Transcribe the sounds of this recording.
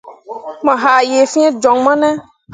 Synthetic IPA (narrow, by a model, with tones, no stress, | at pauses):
mɛ̃˨ɦa˨je˨fĩ˦ɛ̃˦d͡ʒɔ̃˨ŋmã˦nɛ̃˦